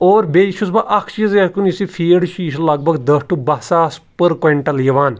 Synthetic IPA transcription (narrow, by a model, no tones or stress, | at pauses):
oːɾbeʃʰuzbaʔɐkʰt͡ʃiːzɐkunisifʰiːɖʃiːʃlɐɡ̚bʱɐɡd̪ɐsʈubɐsaːspəɾkɐɳʈɐljɐʋaːn